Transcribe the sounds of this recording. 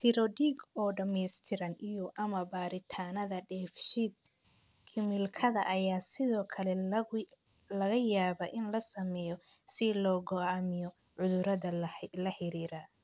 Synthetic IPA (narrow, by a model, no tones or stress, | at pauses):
t̪ʰɪɾɔɖiːɡɔːɖɐmɛst̪ʰɪɾɐnijɔʔɐmɐbaːɾɪt̪ʰaːnɐðɐɖɛːfʃid̪̚ | kʰɪmɪlkʰɐðɐ̰ʔɐjaːsɪðɔːkʰɐlɛ | lɐɣɐjaːβɐʔɪnlɐsɐmɛjɔ | sɪlɔːɡɔamɪjɔ | ʕʊðʊɾɐðɐlɐħɪɾiːɾa